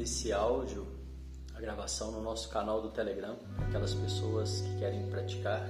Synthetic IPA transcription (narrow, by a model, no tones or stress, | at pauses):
esɪawd͡ʒʊ | ɐɡɾavasɐ̃w̃nʊnɔsʊ̥kanawd̪ʊt̪eleɡɾɐ̃ | akɛlɐspesoɐskɪ̥kɛɾẽj̃pɾat͡ʃi̥kaɾ